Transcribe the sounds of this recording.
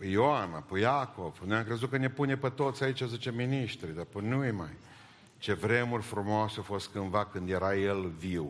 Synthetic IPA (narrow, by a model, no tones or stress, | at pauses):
pəjoana̰pəjako̞vnojamkɾe̞zut̪̚kəne̞punepət̪o̞t̪sʲait͡ʃʲazit͡ʃeminiʃt̪ɾid̪apənujma̰j | t͡ʃe̞vɾe̞murʲfɾumoaseafo̞st̪kɨnvakɨnd̪je̞ɾajelviw